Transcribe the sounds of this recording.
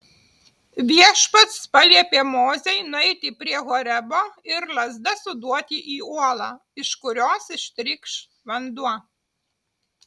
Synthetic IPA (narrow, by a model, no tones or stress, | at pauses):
ʋʲiɛʃpɐt̪spɐlʲiɛpʲiɛmoːzʲɛjnʊɛɪt̪ʲɪpʲɾʲiɛɣɔːɾʲɛboːɪɾlˠɐzd̪ɐsʊd̪uɔt̪ʲɪʔiːuɔlˠɑː | ɪʃkʊɾʲoːsɪʃt̪ʲɾʲɪkʃ | ʋɐnd̪uɔ